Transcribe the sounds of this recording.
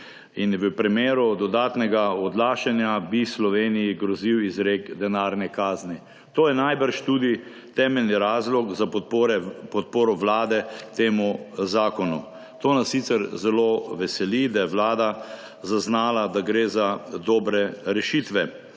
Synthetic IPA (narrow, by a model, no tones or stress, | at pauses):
inʋəpɾimeːɾud̪ɔd̪aːt̪nɛɡaɔd̪laːʃanjabislɔʋeːnijiɡɾɔziwizɾekd̪ɛnaːɾnɛkaːzni | t̪oːjɛnajbəɾʃt̪ud̪i | t̪ɛːmɛlniɾaːzlɔkzaɾɛpɔt̪̚poːɾɔʋlaːd̪ɛt̪eːmuzaːkɔnu | t̪oːnasːit̪sɛɾzɛloʋɛsɛlid̪ajɛʋlaːd̪a | zaznaːlad̪aɡɾeːzad̪ɔːbɾɛɾɛʃit̪ʋɛ